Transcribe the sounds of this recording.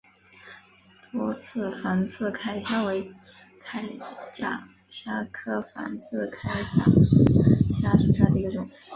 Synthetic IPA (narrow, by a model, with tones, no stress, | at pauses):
t̪wɔ˥t͡sʰɹ̩˥˩fa˧˥nt͡sʰɹ̩˥˩kʰa˥ɪɕja˥we˧˥ɪ | kʰa˥ɪt͡ɕja̰˥˩ | ɕja˥kʰɤ˥fa̰˧˥nt͡sʰɹ̩˥˩kʰa˥ɪt͡ɕja̰˨˥˩ | ɕja˥ʂu˧˥˩ɕa˥˩d̪ə˩i˧˥ɡə˧ʈ͡ʂʊ˨˩˦ŋ˩